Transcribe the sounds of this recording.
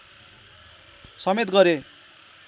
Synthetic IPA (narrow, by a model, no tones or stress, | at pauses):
sʌmet̪ɡʌɾe